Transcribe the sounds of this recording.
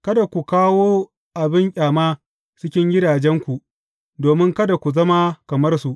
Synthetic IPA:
kɐ˦da˨kʷu˨kaː˦woː˦ | ʔa˨bɪ˦ŋkʲʼaː˨maː˦ | t͡ʃɪ˦kʲɪ˦ŋɡʲɪ˦daː˨d͡ʒɛ˦ŋkʷu˨ | doː˨mɪ˦ŋkɐ˦da˨kʷu˨zɐ˦ma˦kɐ˨mɐ˦rsu˨ʔ

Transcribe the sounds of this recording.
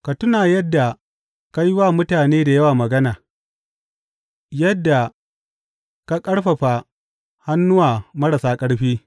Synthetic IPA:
ka˨tʊ˦naː˨jɐ˦dːa˨ | ka˦ji˦waː˦˨mʊ˦taː˨neː˦da˨jɐ˦waː˨mɐ˨ɡɐ˦naː˨ | jɐ˦dːa˨ | ka˦kʼɐ˦ɽɸɐ˨ɸa˨ | ha˦nːʊ˦waː˨mɐ˦ɽɐ˨saː˦kʼɐ˦ɽɸiː˦

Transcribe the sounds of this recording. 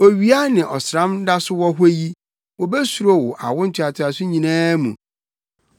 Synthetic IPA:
o˨ɥi˨˦a˦nɪ̃˨ʔɔ˨sɾã˦m˦da˦sʊ˦wɔ˦ɦe˦ji˦ | wɔ˨bɛ˦su˨ɾo˦wʊ˨ʔa̰˨wʊ̃˦n̩˦tʰɪ˦a˨tʰɪ˨a˨sʊ˦ɲĩ˨nãː˦mṵ̃˨

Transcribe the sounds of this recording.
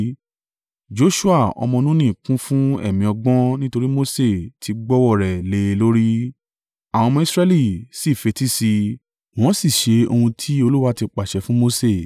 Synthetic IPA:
d͡ʒo˨˦ʃu˦a˦˨ɔ̰˧mɔ̃˧nũ˦nĩ˦˨kũ˦fũ˦ɛ̰˦˨mĩ˨ɔ˧ɡ͡bɔ̃˦nĩ˦to˧ɾi˦mo˦se˦˨tʰi˨˧ɡ͡bɔ˦wɔ˦˨ɾɛ˨le˨˦˧lo˦ɾi˦ | a˨w̃ɔ̃˧mɔ̃˧i˧sɾɛ˦li˦˨si˦˨fe˨˧˦ti˦si˧ | w̃ɔ̃˦si˦˨ʃe˨˧o˧hũ˧tʰi˦o˧lu˦wa˦ti˧k͡pa˨ʃɛ˨˦fũ˦mo˦se˦˨

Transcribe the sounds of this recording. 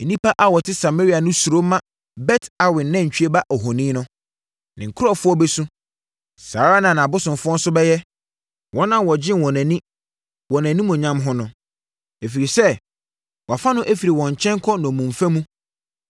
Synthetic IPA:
e˨nĩ˦pa˦ʔa˨wɔ˨tʰɪ˦sa˨ma˦ɾi˦a˨nʊ̃˦su˨ɾo˦mã˦ | bɛ˦tʰa˨wɪ̃˨n˨nã˦˨ɲ̩˨t͡ɕᶣɥe˦ba˦ʔɔ˨ɦɔ˨nĩː˦nʊ̃˦ | nɪ̃˨ŋ̩˨kʰʊ˦ɔ˦fʊ˦ɔ˦bɛ˦sũ˦ | saː˨˦ɾa˦nã˨nã˨bʊ˦sʊ̃˨mfʊ˦ɔ˦n̩˦sʊ˦bɛ˦jɛ˦ | wʔɔ̃˦nã˦wɔ˨d͡ʑɪ̃˦nwɔ̃˨næ̃˨nĩ˦ | wɔ̃˨næ̃˨nĩ˦mũ˨ɲã˦mɦʊ̃˦nʊ̃˨ | e˨fi˨ɾi˨sɛ˦ | wɔ˨fa˦nʊ̃˦ʔæ˦fi˨ɾi˨wɔ̃˨ɲ˨t͡ɕʰɛ̃˦ŋkʰɔ˦nɔ̃˨ɔ˨mũ˨ɱfæ˦mũ˦

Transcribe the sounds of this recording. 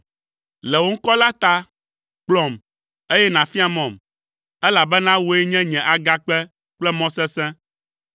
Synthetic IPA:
lɛ˨wo˦ŋ̩˦kɔ˦la˦t̪a˦ | k͡plɔ˨m | e˦jɛ˦nã˨fi˦a˨mɔ̃˨m | ɛ˦la˨bɛ˦nã˦wo˦ɛ˦ɲɛ̃˦ɲɛ̃˨ʔa˨ɡa˦k͡pɛ˦ | k͡plɛ˦mɔ̃˦sɛ̃˦sɛ̃˦

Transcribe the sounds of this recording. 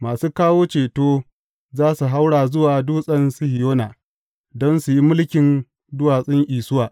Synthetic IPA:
maː˨suː˦kaː˦woː˦t͡ʃeː˨toː˦ | zaː˦su˨ɦa˦wɽaː˨zʊ˦waː˨duː˦sʼɐ˦nsʊ˦hɪ˨joː˦naː˨ | dɔ˦nsu˨ji˦mʊ˦lkʲɪ˨n | dʊ˦waː˨sʼɪ˦ŋʔiː˨sʊ˦waː˨

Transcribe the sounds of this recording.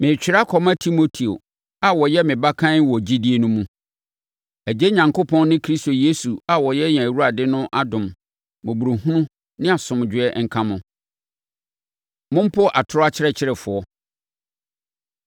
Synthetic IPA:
mɪ̃˨t͡ɕᶣɪ˨˦ɾa˦kʰɔ˨mã˦tʰi˦mo˦tʰi˨o̰˨ | a˨wɔ˨jɛ˦mɪ̃˨ba˦kʰã˦n˦wɔ˨d͡ʑi˦di˦e˦nʊ̃˦mũ˦ | æ˨d͡ʑe˦ɲã˨ŋkʰo˦pʰɔ̃˦n˦nɪ̃˦kʰɾi˦sto˨je˦su˨a˨wɔ˨jɛ˦ɲ˨ã˨wu˦ɾa˨dɪ˦nʊ̃˦ʔa˦dʊ̃˨m | mʊ̃˨bu˨ɾu˨ɦũ˦nũ˦ | nɪ̃˦a˨sʊ̃˨md͡ʑᶣɪ˨ɛ˦ŋ̩˨kʰã˦mʊ̃˦ | mʊ̃˦m̩˦pʰʊ˦ʔa˨tʰʊ˦ɾʊ˦a˦t͡ɕʰɪ˦ɾɛ˦t͡ɕʰɪ˦ɾɛ˨fʊ˨ɔ˦

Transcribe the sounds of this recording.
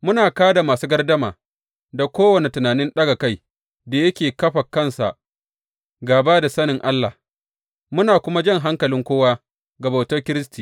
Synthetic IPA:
mʊ˦naː˨kaː˦da˨maː˨suː˦ɡɐ˦rdɐ˦ma̰ː˨ | da˨kʷoː˦wɐ˨ne˨tʊ˨naː˨nɪ˦nɗɐ˦ɡa˨ka˦˨j | da˨jɐ˦kʲeː˨kɐ˦ɸa˨kːɐ˦˨nsa̰˨ʔ | ɡaː˨baː˦da˨sɐ˦nɪ˨ŋʔa˦lːa̰˨h | mʊ˦naː˨kʷʊ˦ma˦d͡ʒɐ˦ŋɦa˦ŋkɐ˨lɪ˦ŋkʷoː˦waː˦ | ɡɐ˨ba˨tɐ˦rkʲɪ˦ɾɪ˦stiː˨

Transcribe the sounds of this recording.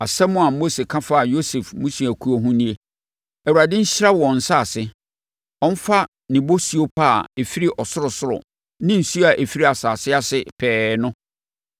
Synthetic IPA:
a˨sɛ˦mʊ̃˨a˨mo˦se˨kʰã˦fa˦˨jo˦sɛ˨fmʊ̃˦si˨æ˨kʰu˦o˦ɦʊ̃˦nĩ˦e˦ | ɛ˨wu˨ɾa˨dɪ̃˦ɲ̩˦ɕɪ˦ɾa˦wɔ̃˨n̩˨sa˦a˨sɪ˦ | ɔ̃˦n̩˦fa˦ | nɪ̃˨bo˦si˨˦o˦pʰa˦˨e˨fi˦ɾi˦ʔɔ˨sʊ˦ɾʊ˨sʊ˦ɾʊ̰˨ | nɪ̃˦n̩˨su˦a˨ʔe˨fi˦ɾi˦a˨saː˨sɪ˦a˦sɪ˨pʰɛː˨˦nʊ̃˦

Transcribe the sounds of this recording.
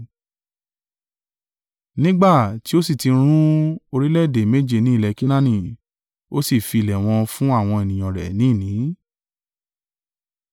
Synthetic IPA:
nĩ˦ɡ͡ba˦˨ti˨˦o˦si˦˨ti˧ɾ̃ũ˦o˧ɾi˦lɛ˦˨de˨me˦d͡ʒe˧nĩ˨˦i˦˨lɛ˧ki˦nã˦nĩ˦˨ | o˦si˦˨fi˧˨lɛ˨w̃ɔ̃˧fũ˦a˦˨w̃ɔ̃˧e˨nĩ˨j̃ɔ̃˨ɾɛ̰˨˦nĩ˨˦˨nĩ˨˦

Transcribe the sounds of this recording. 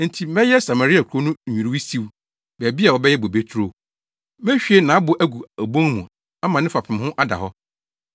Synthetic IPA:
n̩˨tʰi˨mɛ̃˦jɛ˦sa˨ma˨ɾi˦a˨kʷʰo˦nʊ̃˦˨ɲᶣũ˨ɾi˦wi˦si˦w | bæ˨bi˦a˨wɔ˨bɛ˦jɛ˦bo˨be˦tʰu˦ɾo˨ | mɛ̃˦ɕᶣe˦nã˨a˦bʊ˨ʔæ˦ɡu˨æ˨bõ˦ŋmũ˨ | a˦mã˨nɪ̃˦fa˨pʰɪ̃˨mhʊ̃˦ʔa˦da̰˨ɦɔ˦

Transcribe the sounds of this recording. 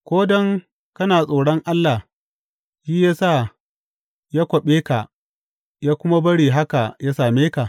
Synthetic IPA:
kʷoː˦dɔ˦ŋ | kɐ˦naː˨sʼoː˨ɽɔ˦ŋʔa˦lːa˨h | jiː˦jaː˦saː˦˨ | jaː˦kʷɔ˨ɓeː˦ka˨ʔ | jaː˦kʷʊ˦ma˦bɐ˦ɽiː˨ɦa˦ka˨jaː˦saː˨meː˦ka˨ʔ

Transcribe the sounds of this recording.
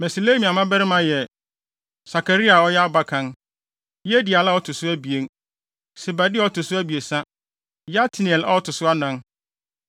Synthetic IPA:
bɛ˨so˨le˦mĩ˨a˨mã˦bɛ˦ɾɪ˦mã˨jɛ˨ | sa˨kʰa˨ɾi˦a˨ɔ˦jɛ˦a˦ba˨kʰã˨˦n | jɛ˦di˨a˨la˦ɔ˦tʰʊ˨sʊ˦æ˦bi˨e˦n | sɪ˨ba˨dɪ˦ɔ˦tʰʊ˨sʊ˦æ˦bi˨e˨sã˦ | ja˦tʰɪ˨ni˨ɛ˨la̰˦ɔ˦tʰʊ˨sʊ˦a˦nã˦n

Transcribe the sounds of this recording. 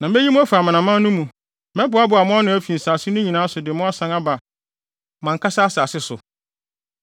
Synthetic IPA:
nã˨m˦ɛ˦ji˦mũ˦æ˦fa˨mã˨nã˨mã˦nũ˦mũ˨ | mɛ̃˦bʊ˨˦a˦bʊ˨a˨mʊ̃˦a˦nʊ̃˦æ˦fi˨n̩˨saː˨sɪ˦nʊ̃˦ɲĩ˨nãː˨˦sʊ˨dɪ˨mʊ̃˦a˦sã˦ŋa˦ba˨ | mã˨ŋkʰa˦sa˦saː˨sɪ˦sʊ̰˨

